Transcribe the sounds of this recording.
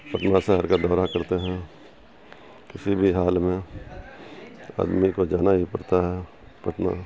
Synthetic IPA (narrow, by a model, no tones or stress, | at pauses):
pɐʈnasɛɦɛɾkad̪ɔːɾakɐɾt̪eɦɛ̃ | kɪsibʱiɦaːlmẽ | a̰ːd̪mikod͡ʒaːnaɦipɐɽt̪aɦɛ | pɐʈna̰